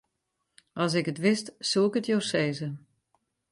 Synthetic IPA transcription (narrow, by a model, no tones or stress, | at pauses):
ʔɑs̬ɪkətʋɪstsuɪkətjoːseːzə